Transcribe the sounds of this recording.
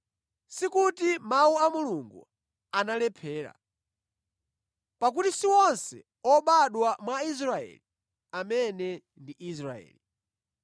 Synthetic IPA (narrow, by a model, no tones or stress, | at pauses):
sikutimauamuluŋɡṵ | analɛpʰɛːɾa̰ | pak̬utisiwɔnsɛ̰ | ɔɓaɗwamwais̬ɾaɛ̰li | amɛnɛ | ndiʔis̬ɾaɛ̰ːli